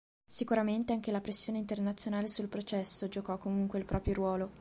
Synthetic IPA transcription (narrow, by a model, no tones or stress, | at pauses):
sikuɾament̪eaŋk̟elapɾesːjoːneint̪ernat̪sːjonaːlesulpɾot͡ʃɛsːod͡ʒokɔkːomuŋkweilpɾɔːpɾjoɾwɔːlo